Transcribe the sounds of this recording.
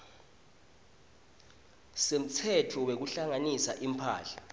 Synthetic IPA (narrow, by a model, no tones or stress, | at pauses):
sem̩t͡sʰɛtʰɔwek̬uɬaŋanisaʔimpʰa̰ːɬḁ